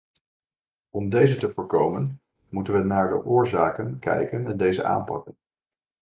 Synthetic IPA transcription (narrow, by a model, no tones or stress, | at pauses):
ɔmdejzətəvʊːɹkowmən | mutənʋənaːɹdə̰ʔʊːɹzaːkənkɛ̰jkənɛndejzə̰ʔa̰ːmpɑ̰kən